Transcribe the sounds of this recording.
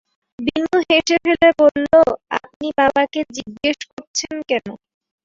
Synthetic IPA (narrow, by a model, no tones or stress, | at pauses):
binːuɦeʃefelebolːoa̰p̚nibabaked͡ʑiɡːeʃkoɾt͡ɕʰenkɛno